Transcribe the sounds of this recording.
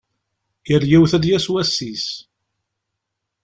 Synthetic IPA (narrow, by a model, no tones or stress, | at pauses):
jəɾjæwθæd̪jæswæsːis